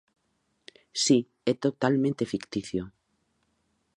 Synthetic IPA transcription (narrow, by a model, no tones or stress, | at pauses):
si | et̪ot̪almẽnt̪efikt̪iθjo